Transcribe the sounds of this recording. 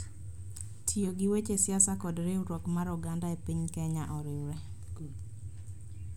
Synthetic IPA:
tʰioɡɪwet͡ʃesjasakɔdɾeuɾɔkmaɾuɡandaepiɲkɛɲaʔɔɾɪwɾɛ

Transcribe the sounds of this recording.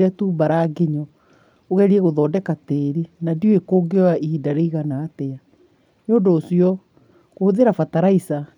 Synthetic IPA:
atuːbaɾaːɡeɲɔ | oɣɛɾiɛɣoðɔːdɛkateːɾenadioekoːɡewaidaɾeiɣanaːtɛa | neodoːsjɔ | ɣohoðeɾafataɾaisa

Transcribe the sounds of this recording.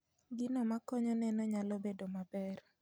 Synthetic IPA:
ɡɪnɔmakɔɲɔnɛnɔɲalɔbedomabɛr

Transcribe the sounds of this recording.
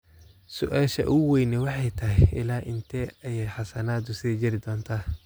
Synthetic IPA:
sʊ̰ʔaːʃɐ̰ʔʊwɛjnɛwɑħɑjt̪ʰɐɦɛʔɪ̰laːʔɪnt̪ʰɛːɐjɛjħɑsɐnaːd̪ʊsɪðɛjd͡ʒɪɾɪd̪ɔːnt̪ʰaː

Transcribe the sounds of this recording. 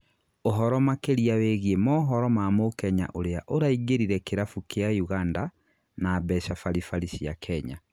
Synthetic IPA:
oɦɔɾɔmakeɾiaweɣiemɔɦɔɾɔmamokɛɲa̰ʔoɾeaʔoɾaiɡeɾiɾɛkeɾafukeajuɣanda | naːbɛʃafaɾifaɾisiakʰɛɲa

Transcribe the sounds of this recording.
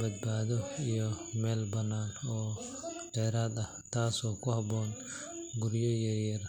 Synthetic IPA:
bɐd̪̚baːðɔijɔmɛːlbɐnːaːnɔː | d̥ɛːɾaːd̪ɐht̪ʰaːsɔːkʰʊhɐbɔːn | ɡʊɾjɔjɐɾjɐɾ

